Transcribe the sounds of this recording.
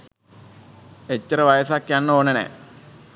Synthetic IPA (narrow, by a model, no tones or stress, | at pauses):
et͡ɕːəɾəʋajəsakjanːəoːnənɛ̰ː